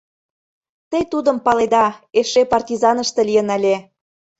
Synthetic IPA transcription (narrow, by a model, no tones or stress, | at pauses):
t̪əjt̪ud̪ə̆mpɑled̪ɑeʃepɑrtʲizɑnəʃt̪ɤ̆lʲijə̆nælʲe